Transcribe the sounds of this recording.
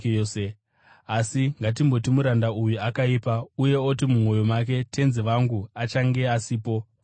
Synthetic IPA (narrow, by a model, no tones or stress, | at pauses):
ose | asiŋɡat̬imbo̞timuɾandaujuakaipauje̞otimumwo̞jo̞mak̬e̞te̞nziʋaŋɡuat͡ʃaŋɡe̞asiːpo̞